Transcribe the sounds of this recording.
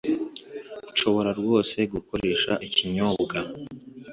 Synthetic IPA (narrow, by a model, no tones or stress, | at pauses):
uʃo̞βo̞ɾaɾɡwo̞ːse̞ɡuko̞ɾe̞ːʃa̰ʔiciɲo̞bɡa